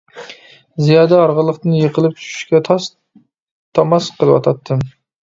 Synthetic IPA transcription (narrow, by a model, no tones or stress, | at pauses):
zijɑːd̪ɛɑɾʁəlˠːəqt̪ɨnjeqʰəlˠɨp̚t͡ʃʰu̥ʃy̥ʃkʲɛt̪ʰɑs | t̪ʰɑmɑsqʰəlˠɨwɑ̰t̪ʰɑt̪ʰːɨm